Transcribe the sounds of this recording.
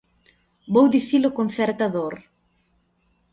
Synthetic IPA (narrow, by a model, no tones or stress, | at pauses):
bowd̪iθilokonθɛɾt̪aðoɾ